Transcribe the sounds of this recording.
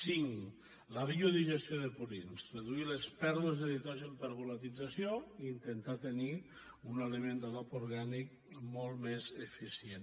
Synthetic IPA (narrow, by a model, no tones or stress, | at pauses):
siŋ | laβioðiʒest̪joðepuɾinsreðuilespɛɾðuezðeðit̪ɔʒempeɾɣulat̪id͡zasjoiːnt̪ent̪at̪eni | unelemend̪aðɔpoɾɣanik̚ | mɔlˠmezefisjen